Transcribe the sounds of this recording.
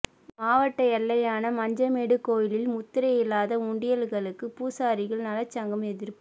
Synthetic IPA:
maːʋɐʈːɐjɐlːɐjaːnɐmɐɲd͡ʒɐmeːɽɯkːoːjɪlɪlmʊt̪ːɪɾɐjɪlːaːðɐʊɳɖɪjɐlɣɐɭɯkːɯpuːsaːɾɪɣɐɭnɐlɐt͡ʃːɐŋɡɐmɛðɪɾp

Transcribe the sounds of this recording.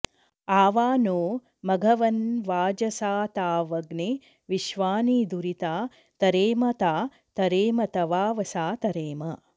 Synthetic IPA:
aːʋaːnoː | mɐɡʱɐʋɐnʋaːd͡ʒɐsaːt̪aːʋɐɡne | ʋiʃʋaːniːd̪uɾit̪aː | t̪ɐɾeːmɐt̪aː | t̪ɐɾeːmɐt̪ɐʋaːʋɐsaːt̪ɐɾeːmɐ

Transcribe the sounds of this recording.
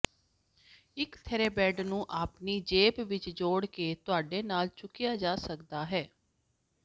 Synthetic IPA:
ɪkt̪ʰɛɾeːbɛːɖnũːʔaːpniːd͡ʒeːpʋɪt͡ʃd͡ʒoːɽkeːt̪ʊaːɖeːnaːlt͡ʃʊkɪjaːd͡ʒaːsəkd̪aːɦɛː

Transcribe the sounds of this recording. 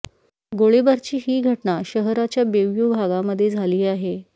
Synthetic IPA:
ɡoɭebaɾt͡ɕiːɦiːɡʱəʈɳaɕəɦɾat͡ɕjabeʋjubʱaɡaməd̪ʱːjed͡zʱaliːaɦe

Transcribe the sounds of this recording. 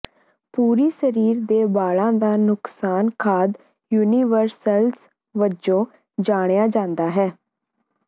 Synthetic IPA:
puːɾiːsəɾiːɾd̪eːbaːlãːd̪aːnʊksaːnkʰaːd̪ | juːniːʋəɾsəls | ʋəd͡ʒõː | d͡ʒaːɽ̃ejaːd͡ʒãːnd̪aːɦɛː

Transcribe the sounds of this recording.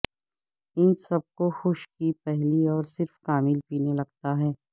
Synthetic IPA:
ɪnsɐb̚koxʊʃkipɛɦliɔːɾsɪɾfkaːmɪlpiːnelɐɡ̚t̪aɦɛː

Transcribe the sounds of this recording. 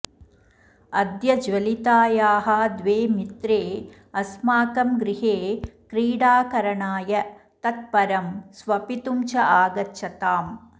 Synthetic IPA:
ɐd̪jɐd͡ʒʋɐlit̪aːjaːɦɐd̪ʋeːmit̪ɾeː | ɐsmaːkɐmɡɾiɦeːkɾiːɽaːkɐɾɐɳaːjɐt̪ɐt̪̚pɐɾɐmsʋɐpit̪umt͡ʃɐʔaːɡɐtːʃʰɐt̪aːm

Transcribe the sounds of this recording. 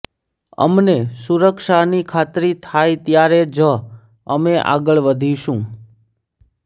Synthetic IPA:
ə̰mnesuɾəkʃanikʰat̪ɾit̪ʰajt̪jaɾed͡ʒə | əmeʔa̰ɡəɭʋəd̪ʱiʃũ

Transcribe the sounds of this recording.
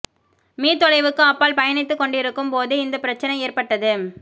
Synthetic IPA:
miːt̪ɔɻɐɪʋɯkːɯɐpːaːlpɐjɐnɪt̪ːɯkːɔɳɖɪɾɯkːɯmpoːðɯɪnd̪ɐpːɪɾɐt͡ʃːɐnɐɪeːrpɐʈːɐðɯ

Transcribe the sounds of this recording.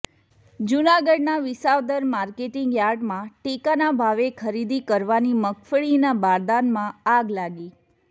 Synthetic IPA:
d͡ʒunaɡəɖ̚naʋɪsaʋd̪əɾmaɾkeʈiŋɡjaɾɖmãʈekanabʱaʋekʰəɾid̪ikəɾʋaniməkfəɭinabaɾd̪anmãaɡlaɡi

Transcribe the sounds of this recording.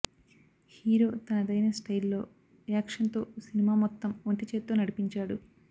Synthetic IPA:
hiːɾo̞ːt̪ɐnɐd̪ɐjnɐsʈɐjlːo̞ː | jaːkʂɐnt̪o̞ːsinimaːmɔt̪ːɐmoɳʈit͡ʃeːt̪ːoːnɐɽipiɲt͡ʃaːɽu

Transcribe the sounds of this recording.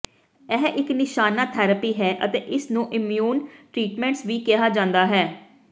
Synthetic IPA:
ɛːʔɪknɪʃaːnaːt̪ʰɛːɾəpiːɦɛːʔət̪eːʔɪsnũːʔɪmjuːnʈɾiːʈmɛ̃ːɳʈsʋiːkɪɦaːd͡ʒãːnd̪aːɦɛː

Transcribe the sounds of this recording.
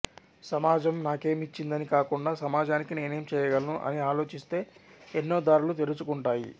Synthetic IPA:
sɐmaːd͡ʒɐmnaːke̞ːmit͡ʃːind̪ɐnikaːkuɳɖaːsɐmaːd͡ʒaːnikineːnɐjɐmt͡ʃɛːjɐɡɐlɐnuʔɐ̰niaːlo̞ːt͡ʃist̪e̞ːenːo̞ːd̪aːɾulut̪̬eɾut͡ʃukuɳʈaːjḭ

